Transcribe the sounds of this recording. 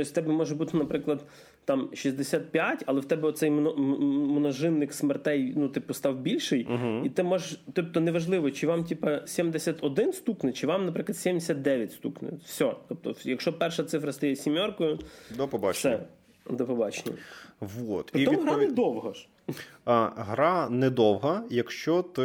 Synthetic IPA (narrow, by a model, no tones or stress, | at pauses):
t̪ɔsʲt̪ɛbɛmɔʒɛbut̪ɪnɐpɾɪklˠɐd̪ | t̪ɑmʃizd̪esʲat̪̚pʲjatʲɐlˠɛwt̪ɛbɛɔt̪sɛjmnmnɐʒɪnːɪksmert̪ɛjnut̪ɪpɔst̪ɑwbʲilʲʃɪjɦit̪ɪmɔʒɛʃt̪ɔp̚t̪ɔnɛʋɐʒlˠɪʋɔt͡ʃɪʋɑmtʲipɐsʲimd̪esʲɐt̪ɔd̪ɪnst̪uknɪt͡ʃɪʋɑmnɐpɾɪklˠɐd̪sʲɛmd̪ʲesʲat̪d̪ɛʋʲjɐtʲst̪uknɪ̰fsʲɔt̪ɔp̚t̪ɔjɐkʃɔpɛrʃɐt̪sɪfɾɐst̪ɐjɛsʲimʲɔrkɔjʊd̪ɔpɔbɑt͡ʃsɛ | d̪ɔpɔbɑt͡ʃenʲɐ̰ʋot̪pɾɪɪɔmuɦɾanɛd̪ɔwɦɐ | ɦɾɑnɛd̪ɔwɦɐjɐkʃt͡ʃɔt̪ɪ